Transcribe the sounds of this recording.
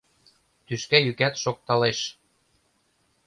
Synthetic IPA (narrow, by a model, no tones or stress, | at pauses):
t̪yʃkæjykæt̪ʃok̚t̪ɑleʃ